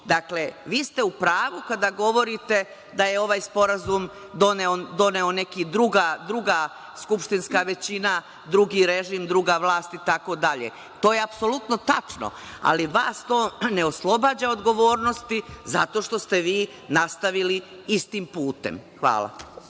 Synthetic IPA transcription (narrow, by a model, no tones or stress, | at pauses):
d̪akle̞ʋiːst̪eupɾaːʋukad̪aɡo̞ʋo̞ɾit̪e̞ | d̪aje̞o̞ʋaːjspo̞ɾazum | d̪oneod̪o̞neo̞ne̞kid̪ɾuɡad̪ɾuɡa | skupʂt̪inskaʋe̞t͡ɕina | d̪ɾuɡiɾeʒimd̪ɾuɡaʋlˠaːst̪it̪ako̞d̪aʎe | t̪o̞ːjeapso̞lut̪no̞t̪at͡ʂno̰ | a̰liʋaːst̪o̞ːneoslˠo̞baːd͡ʑaod̪ɡo̞ʋo̞ːɾno̞st̪iza̰t̪o̞ːʃt̪o̞st̪eʋiː | nast̪aʋili | ist̪impuːt̪ḛmxʋa̰ːlˠa̰